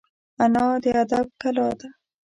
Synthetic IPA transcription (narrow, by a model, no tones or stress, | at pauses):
anɑd̪əad̪ab̚kalɑd̪a